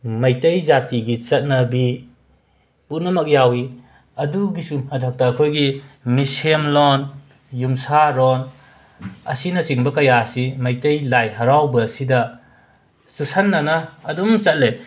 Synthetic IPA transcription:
mɐjtɐjzatiɡit͡ʃɐt̚nɐbi | punɐmak̚jawi | ɐduɡisuhɐdʱak̚takʰojɡimisemlɔn | jumsaɾɔn | ɐ̰sinɐt͡ʃiŋbɐkɐjasimɐjtɐjlajɦɐɾawbɐsidɐ | susanːanɐːdumt͡ʃɐt̚le

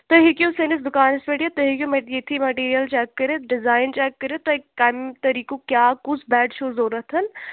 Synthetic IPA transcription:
t̪ɐɦikjõsenɪsd̪ʊkaːnɪspeʈjet̪ːɐɦikjõmɐjet̪ʰimɐʈiːɾijəlt͡ʃɛːkːɐɾet̪ɖɪzaːɪnt͡ʃɛːkːəɾet̪ːokːamt̪ɐɾiːkõkjaːkʊt͡ʃʰbɛːɖʃoːzoːɾɐt̪ʰɐn

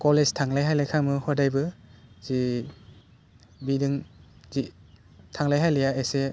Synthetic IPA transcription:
kɔlestʰaŋlajɦajlajkʰaŋmɯhɔdajbɯz̥i | bidɯŋzi | tʰaŋlajɦajlɯjaese

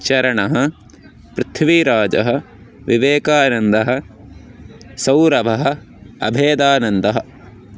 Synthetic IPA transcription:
t͡ʃɐɾɐɳɐɦɐ̆ | pɾɪt̪ʰʋiɾaːd͡ʒɐ̰ɦɐ̆ | ʋiʋeːkaːnɐnd̪ɐɦɐ̆ | sɐwɾɐbʱɐɦɐ̆ | ɐ̰bʱeːd̪aːnɐnd̪ɐɦɐ̆

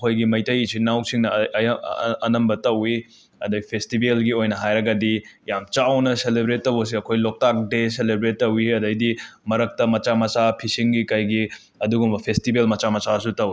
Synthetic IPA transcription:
kʰojɡimɐjtɐjisinawsiŋnɐ | ɐnɐmbɐtɐwi | ɐdɐpʰestibelɡiojnɐɦajɾɐɡɐdijamt͡ʃawnɐselebɾetːɐwɐs̬iɐkʰojlok̚tak̚deselebɾetːɐwiɐdɐjdimɐɾɐk̚tɐmɐt͡ʃamɐsapʰisiŋɡikɐjɡi | ɐduɡumbɐpʰestibelmɐt͡ʃamɐsasutɐwi

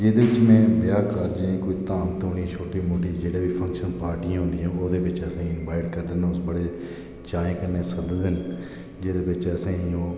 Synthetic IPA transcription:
d͡ʒeːd̪eːʋɪt͡ʃmɛ̃ːbɪjaːkəɾd͡ʒĩːkoiːt̪aːmt̪oːniːt͡ʃʰoːʈiːmoːʈiːd͡ʒeːɽeːʋiːpʰə̃ŋkʃənpaːɾʈiãːɦʊ̃nd̪iːãːoːd̪eːʋɪt͡ʃəsẽːɪnbaːɪʈkəɾd̪enõsbəɽeː | t͡ʃãːẽːkəneːsəd̪d̪ɪn | d͡ʒeːd̪eːbɪt͡ʃəsẽːĩoː

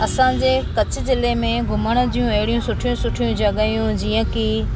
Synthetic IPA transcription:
ɐsãd͡ʑeːkɐt͡ɕʰʊ̆zɪlemẽɡʱʊməɽ̃ə̆d̪ijũɐɦɪɽijũsʊʈʰijũsʊʈʰijũd͡ʑɐɠaːijũd͡ʑiːə̃ki

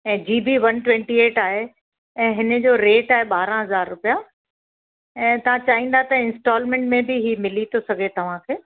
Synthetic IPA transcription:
ɛ̃ːd͡ʑiːbʱiʋɐnʈʋɛ̃ːɳʈieːʈaːɦe | ɛ̃ːɦɪnə̆d͡ʑoːɾeːʈaːɦeɓaːɾãɦɐzaːɾːʊpija | ɛ̃ːt̪ɐʋ̤ãt͡ɕɐɦĩːnd̪at̪ɐɪ̃nsʈɔːlmɛ̃ːɳʈmẽbʱɪɦiːmɪlit̪ʰosɐɡʱet̪ɐʋ̤ãkʰeː

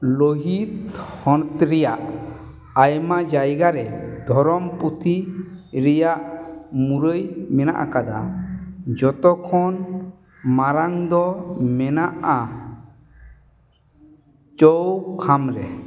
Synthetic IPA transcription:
loɦit̪hɔ̃nt̪ɾɛjaʔ | ajmad͡ʒajɡaɾɛd̪ʱɔɾɔmput̪ʰi | ɾɛjaʔmuɾəjmɛna̰ʔa̰kad̪a̰ | d͡ʒɔt̪ɔkʰɔn | maɾaŋd̪ɔmɛnaʔa | t͡ʃɔwkʰamɾɛ̰

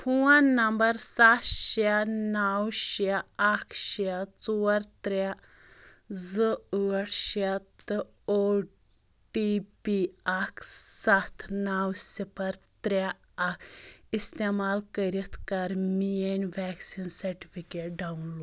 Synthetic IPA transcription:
huwãnəmbəɾsat̪ɕanawɕaakʰɕat͡sɔwəɾt̪ɾa | d͡zəəʈɕat̪ɨ | o | ʈipiakʰsat̪ʰnawsipəɾt̪ɾa | akʰist̪emalkəɾit̪ʰkaɾmienʋɛksinsɐɾʈifikeʈ̚ɖawnloɖ

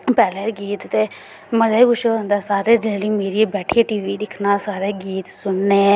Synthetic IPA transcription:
pɛːleːɾɡiːt̪t̪eː | məzaːiːɡʊʃə̃nd̪aːsaːɾeːɾeːliːmeːɾiebɛːʈʰieːʈiːʋiːd̪ɪkʰnaːsaːɾeːɡiːt̪sʊnːeː

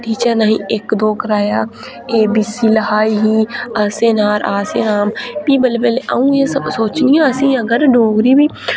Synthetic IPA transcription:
ʈiːt͡ʃanaɦĩːekd̪oːkəɾaːjaː | eːbiːsilɦaːiɦiːaːseːnaːɾʔaːseːnaːmpiːbəlpeːleʔə̰ũjesəbsoːt͡ʃnijãɐsĩːəɡəɾɖoːɡɾiːbiː

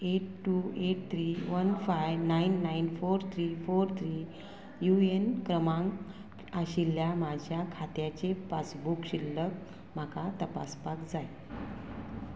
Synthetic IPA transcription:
eʈʈueʈ̚t̪ʰɾiʋənfajʋnainːainfoɾt̪ʰɾifoɾt̪ʰɾiː | juenkɾəmãŋɡ | aɕilːjamad͡ʑʱjakʰat̪jat͡ɕepat͡sbukɕilːək̚ | m̤akat̪əpa̰spakd͡zaj

